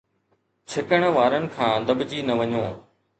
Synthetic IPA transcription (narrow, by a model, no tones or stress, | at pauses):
t͡ɕʰɪkəɽ̃ə̆ʋaːɾənɪ̆kʰãːd̪ɐbd͡ʑiːnɐʋɐɲõː